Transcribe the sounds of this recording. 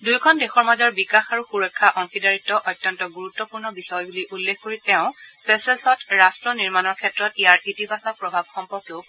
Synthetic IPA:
dujkʰɔndexɔɹmazɔɹbikaxaɹuxuɹɔkʰːaʔɔŋxidaɹitːɔʔɔtːjɔntɔɡuɹutːɔpuɹnɔbixɔjbuliʔulːexkoɹitɛʊ̃sɛsɛlsɔtɹastɹɔniɹmanɔɹkʰɛtɹɔtijaɹitipasɔpɹɔbʱab̚xɔmpɔɹkjoʊ

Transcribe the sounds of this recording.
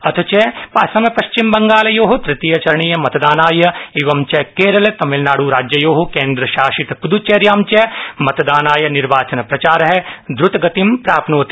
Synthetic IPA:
ɐt̪ʰɐt͡ʃepaːsɐmɐpɐʃt͡ʃimbɐŋɡaːlɐjoːɦot̪ɾɪt̪ijɐt͡ʃɐɾɳijɐmɐt̪d̪aːnaːjɐeʋɐmt͡ʃɛkeːɾɐlet̪ɐmɪlnaːɽuɾaːd͡ʒjɐjoːɦukẽːnd̪ɾɐʃaːʃit̪kud̪ut͡ʃeɾjaːmt͡ʃemɐt̪d̪aːnaːjɐnɪɾʋaːt͡ʃɐnɐpɾɐt͡ʃaːɾɐɦɛd̪ɾʊt̪ɡɐt̪impɾaːpnoːt̪i̥

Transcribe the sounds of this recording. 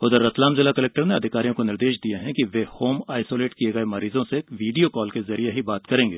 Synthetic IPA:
ʊd̪əɾːɐt̪laːmzɪlakɐleːk̚ʈəɾneɐd̪ʱɪkaːɾijõkonɪɾd̪eːʃd̪ijeɦɛ̃kiʋehoːmaːɪsoːleːʈkieɡɐemɐɾiːzõseʋiːɖijokɔːlkezɐɾieɦibaːt̪kɐɾẽːŋɡeː

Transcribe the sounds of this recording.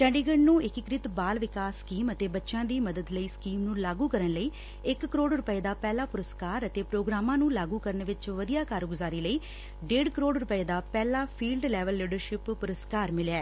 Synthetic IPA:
t͡ʃə̃ɳɖiːɡəɳnũːɪkɪkɾɪt̪baːlʋɪkaːsːkiːmət̪eːbətːʃãːd̪iːməd̪əd̪ləiːskiːmnũːlaːɡũːkəɾənləiː | ɪkːəɾoːɖɾʊpəeːd̪aːpɛːlaːpʊɾəskaːɾət̪eːpɾoːɡɾaːmãːnũːlaːɡuːkəɾnʋɪt͡ʃʋəd̪ijaːkaːɾɡʊzaːɾiːləiː | ɖeːɖkəɾoːɖɾʊpəeːd̪aːpɛːlaːpʰiːlɖlɛːʋəlːiːɖəɾʃɪpːʊɾəskaːɾmɪlɛː

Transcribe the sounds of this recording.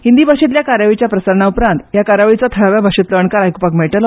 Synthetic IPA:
hind̪ibʱaʂit̪ljakaɾjaʋit͡ɕjapɾəsəɾɳaupɾãnt̪jakaɾaʋit͡sat̪ʰəɭaʋjabʱaʂit̪ləʋəɳkaɾajkupakmeɭʈəl

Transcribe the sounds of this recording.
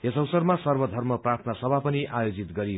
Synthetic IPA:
ɦesʌwsʌrmasʌrbʌd̪ʱʌrmʌprat̪ʰnʌsʌbʱapʌniʔajod͡zit̪ɡʌɾi

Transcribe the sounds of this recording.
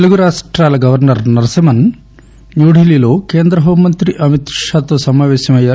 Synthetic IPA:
t̪eluɡuɾaːʂʈɾaːlɐɡɐʋɐɾnɐɾnɐɾɐsɐmɐn | njuːɖʱiliːlo̞ːkeːnd̪ɾɐɦoːmːɐnt̪ɾiʔɐmit̪ʂaːt̪oːsɐmaːʋɛːʃɐmɐjːaː

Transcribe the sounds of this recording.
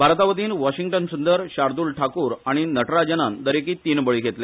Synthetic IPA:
bʱaɾt̪aʋət̪iːnʋaɕiŋɡʈənsund̪əɾɕaɾd̪uːlʈʰakuːɾaɽ̃inəʈɾad͡ʑənand̪əɾekiːt̪iːnbəɭiːɡʱet̪le

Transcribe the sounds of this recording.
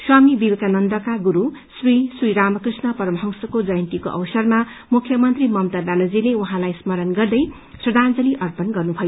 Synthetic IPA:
swamibibekanʌnd̪ʌkaɡuɾusrisiɾamʌkrisnʌpʌɾʌmʌɦʌŋsʌkod͡zʌjʌnt̪iko̰ʔʌ̰wsʌrmamukʰjʌmʌnt̪rimʌmt̪abjanod͡zilewuɦãlajsmʌɾʌnɡʌrd̪ʌj | srʌd̪ʱand͡zʌliʔʌrpʌnɡʌrnubʱʌjo

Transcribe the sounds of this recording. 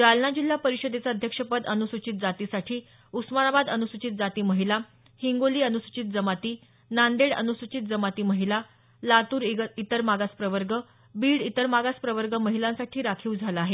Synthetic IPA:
ɾalnad͡ʑil̤ːapəɾiɕəd̪et͡saəd̪ʱjəkʂəpəd̪ənusut͡ɕit̪̚d͡zat̪isaʈʰiː | usmanabad̪ənusut͡ɕit̪̚d͡zat̪iːməɦila | hiŋɡoliːənusut͡ɕit̪̚d͡zəmat̪iː | nand̪eɽə̰nusut͡ɕit̪̚d͡zəmat̪iːməɦila | lat̪uːɾit̪əɾmaɡaspɾəʋəɾɡə | biːɽit̪əɾmaɡaspɾəʋəɾɡəməɦilãnsaʈʰiːɾakʰiːuwd͡zʱalaaɦe

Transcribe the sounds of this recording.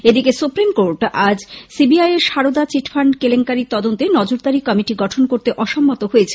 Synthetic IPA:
ed̪ikesupɾimkoɾʈad͡ʑsibiajeɾʃaɾod̪at͡ɕiʈʰfʰaɳɖkeleŋkaɾit̪ɔd̪ont̪enɔd͡ʑoɾd̪aɾikɔmiʈiɡɔʈʰonkoɾt̪eʔɔʃɔmːot̪oɦoet͡ɕʰe̥

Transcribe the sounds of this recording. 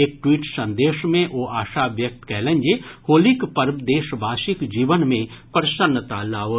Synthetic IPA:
eːk̚ʈwiːʈsɐ̃nd̪eːʃmẽʔoʔaːʃabjək̚t̪kɛɦlẽnd͡ʒehoːlikpəɾd̪eːʃbʱaːʃɪkd͡ʒiːʋənmẽpəɾʃənːət̪alaːʋə

